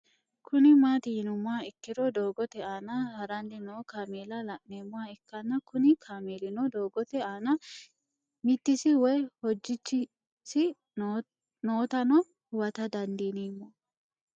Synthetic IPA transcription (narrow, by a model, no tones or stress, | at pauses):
kʰʊnɪmaːt̪ɪjɪnʊmʊaːɪkːɪɾɔd̪oːɡɔt̪ɛaːnɐhɐɾɐndɪnoːkaːmeːlɐlɐʔneːmːʊwaːɪkːɐnːɐkʊnɪkʰaːmeːlɪnɔd̪oːɡɔt̪ɛaːnɐ | mɪt̪ːɪsɪwɔjhɔd͡ʒːɪt͡ʃːɪ | sɪ | noːt̪ɐnɔ | hʊwɐt̪ɐd̪ɐnd̪iːnimːɔ